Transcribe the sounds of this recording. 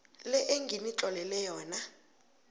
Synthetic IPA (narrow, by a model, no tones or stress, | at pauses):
lɛʔeŋɡʱinit͡ɬʼɔlɛlɛjɔːna